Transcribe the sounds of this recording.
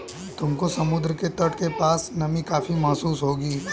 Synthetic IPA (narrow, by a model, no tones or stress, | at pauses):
t̪ʊmkosɐmʊd̪ɾəket̪ɐʈkepaːsnɐmikaːfimɐɦsuːsɦoːɡiː